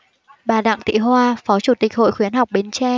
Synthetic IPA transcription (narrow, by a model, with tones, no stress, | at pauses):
ɓaː˨˩ɗa̰ː˧˨ŋt̪ḭ˧˨ɦwaː˧fɔ˨˦t͡ɕu˧˩t̪ï˨˩k̟̚ho̰˧˨jxwi˨˦ənɦa˨˩wk͡p̚ɓe˨˦nt͡ɕɛ˧